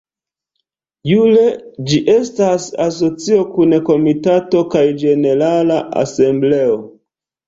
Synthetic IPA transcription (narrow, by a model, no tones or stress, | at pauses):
jule̞d͡ʒiʔe̞stasaso̞t͡sio̞kunko̞mitato̞kajd͡ʒe̞ne̞ɾalaʔa̰se̞mbleo̞